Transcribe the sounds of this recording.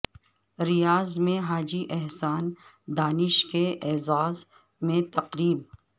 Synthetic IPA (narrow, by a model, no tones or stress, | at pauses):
ɾijaːzmẽɦaːd͡ʒiʔɛɦsaːn | d̪aːnɪʃkeʔɛːzaːz | mẽt̪ɐqɾiːb̚